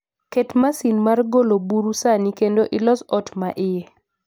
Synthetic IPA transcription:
ketmasinmarɡolobuɾusanikendoʔɪlɔsɔtma̰ʔɪjɛ

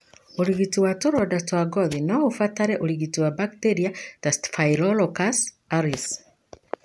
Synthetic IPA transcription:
uliɣituwatoɾɔdastwaɡɔðinɔufataɾeʔuliɣituwabakteɾiatastfajilɔlɔkas | aɾis

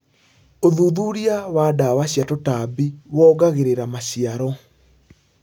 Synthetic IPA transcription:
oðuðuɾiawadawaɕjatotabiwɔːɡaɣeɾeɾamaɕiaɾɔ

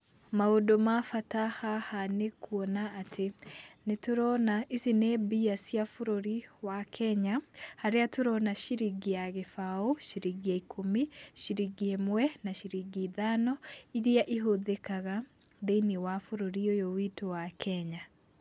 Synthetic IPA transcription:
maodomafatahahanekʰwɔnaːtʰenetoɾɔnaʔisinɛbiasjafoɾoɾiwakʰɛɲahaɾeatoɾɔnaʃiɾiɡiaɣefaoʃiɾiɡiaikʰomiʃiɾiɡiemwɛnaʃiɾiɡiðanɔiɾiaʔiɦoðekaɣa | deiniwafoɾoɾiojowitowakʰɛɲa

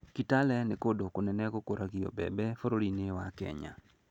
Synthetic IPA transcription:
kitalɛnekodokonɛnɛkokoɾʔaɡiɔ̰bɛ̰bɛfoɾoɾinewakɛ̰ɲa̰

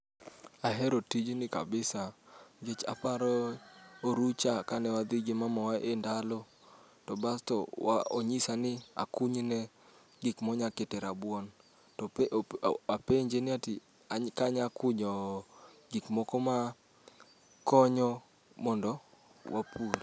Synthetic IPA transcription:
aɦɛɾotid͡ʒnɪka̰bɪsaɡet͡ʃa̰paɾɔoɾut͡ʃakanɛwad̪ɪɡɪmamawaʔendalɔ | tɔbastɔa̰o̰ɲisanɪa̰kʊɲnɛ | ɡikmɔɲaketɛɾabwɔn | tɔ | apeɲd͡ʒenɪatɪ | akaɲakʊɲɔɡikmɔkɔma | kɔɲɔ | mɔndɔ | wapuɾ

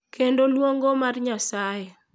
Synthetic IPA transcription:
kʰendolwoŋɡomarɲasaje

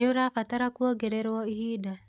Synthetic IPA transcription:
ʊɾafat̪aɾakwoɡeɾeɾwɔihida

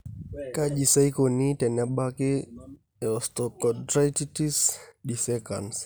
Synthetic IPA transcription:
kaʄisaikɔnitɛnaɓaki | ɛɔstɔkɔtɾaititisɗisɛka̰ns

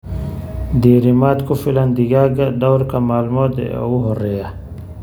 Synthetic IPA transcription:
d̪iɾimaːt̪kofiland̪iɡaːɡad̪awɾkamaːlumod̪ḛuɦoɾeja

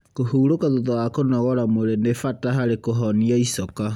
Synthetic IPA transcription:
kohuːɾokaðoðawakonɔɣɔɾamoɾenefataɦaɾekoɦɔniaisɔka

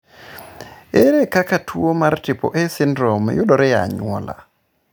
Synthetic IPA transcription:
eɾɛkakatʰuomaɾtipɔ̰ʔɛsindɾɔmjuɗɔɾɛja̰ɲuɔ̰la̰

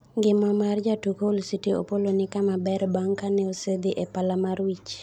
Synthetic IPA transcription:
ŋɡɪmɔmard͡ʒatukoulsitio̰polonɪkamabɛɾbaŋkanɛosed̪iʔɛpalamaɾwit͡ʃ

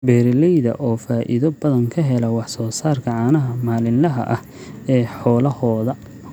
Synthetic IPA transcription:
bɛːɾɪlɛjðɐ̰ʔɔːfaːʔɪ̰ðɔbɐðɐŋkʰɐɦɛlɐwɑħsɔːsaːrkʰɐʕɑːnɐɦɐmaːlɪnlɐɦɐ̰ʔɐh | ɛːħɔːlɐhɔːðɐ

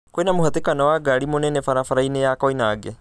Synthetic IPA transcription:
koinɐmuɦɐt̪ekɐnawaːɡaɽimonenefɐɾafɐɾɐinejaːkojnaːɡe

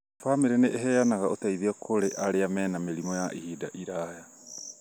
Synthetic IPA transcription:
famiɾeneʔːɦɛːjanaɣaotaiðiɔkʰoɾeʔaɾeamɛːnameɾimɔjaʔihiːdaʔiɾaːja

